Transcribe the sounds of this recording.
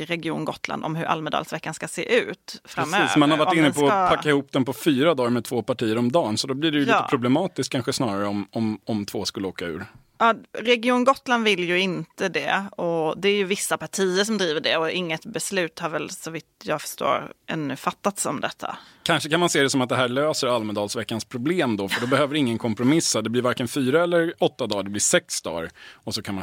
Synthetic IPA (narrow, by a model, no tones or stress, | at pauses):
ɾɛɡɪuːnɡɔt̪ːla̰nd̪ɔ̰mɦɵ̰ɾʔa̰lmɛd̪ɑ̰lsvɛkːanskasḛːʔʉ̟ːt̪fɾamːøːsmanhaɾvaʈɪnːəpʰɔpʰakːaɪhuːpd̪ɛnmpɔfyːɾad̪ɑːɾmɛt̪ʰvoːpaʈʰiːəɾɔmd̪ɑːnsɔd̪ɔblɪɖɛjɵlːt̪ːəpʰɾʊblɛmɑːt̪ɪskʰːanɧəsnɑːɾaɾəɔmɔmɔmt̪ʰv̥oːskɵlːəoːkaʉ̟ːɾ | ɑːɾɛɡɪuːnɡɔt̪ːland̪vɪljɵɪnt̪əd̪ɛ̰ɔd̪ɛæɾjɵvɪsːapaʈʰiːəʂɔmd̪ɾiːvəɖɛ̰ɔɪŋːət̪bɛslʉ̟ːt̪haɾvɛlsɔvɪt̪jɑːɡfœ̥ʂʈo̰ːɾʔɛ̰nːɵ̰fat̪ːat̪sɔmd̪ɛt̪ʰːa̰kʰanʂəkʰanmanseːd̪ɛsɔmat̪̚d̪ɛɦæːɭøːsəɾalmɛd̪ɑːlsvɛkːanspʰɾʊbleːmd̪ɔfœɖɔbɛhøːvəɾɪŋːənkʰɔmpɾʊmɪsːad̪ɛblɪɾvaɾkɛnfyːɾaɛlːəɾɔt̪ːad̪ɑːɖɛblɪʂɛksd̪ɑ̰ːɾɔsɔkʰanma